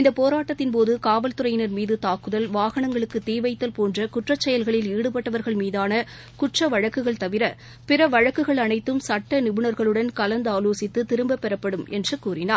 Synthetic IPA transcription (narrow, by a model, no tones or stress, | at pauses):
ɪnd̪ɐpoːɾaːʈːɐt̪ːɪnpoːðɯkaːʋɐlt̪ɯɾɐjɪnɐɾmiːðɯt̪aːkɯðɐlʋaːɣɐɳɐŋɡɐɭɯkːɯt̪iːʋɐɪt̪ːɐlpoːndrɐkʊʈrɐt͡ʃːɛjɐlɣɐɭɪliːɽɯpɐʈːɐʋɐɾɣɐɭmiːðaːnɐ | kʊʈrɐʋɐɻɐkːɯɣɐɭt̪ɐʋɪɾɐ | pɪrɐʋɐɻɐkːɯɣɐɭɐnɐɪt̪ːɯmsɐʈːɐnɪbɯɳɐɾɣɐɭɯɽɐnkɐlɐnd̪aːloːsɪt̪ːɯt̪ɪɾɯmbɐpːɛɾɐpːɐɽɯmɛ̰ndrɯkuːrɪnaːɾ